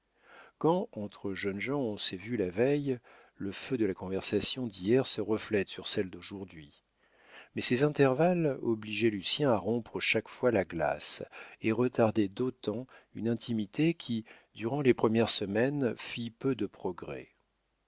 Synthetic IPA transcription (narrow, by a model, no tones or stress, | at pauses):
kɑ̃ɑ̃t̪χəʒənʒɑ̃ɔ̃sɛvylavɛj | ləfød̪əlakɔ̃vɛʁsasjɔ̃d̪ijɛʁsəʁəflɛt̪syʁsɛld̪oʒuʁd̪ɥi | mɛsɛzɛ̃t̪ɛʁvalɔbliʒɛlysjɛ̃aʁɔ̃pχəʃakfwalaɡla̰seʁət̪aʁd̪ɛd̪ot̪ɑ̃ynɛ̃t̪ʰimit̪ekʲʰi | d̪yʁɑ̃lepχəmjɛʁsəmɛnfipød̪əpχɔɡʁɛ̰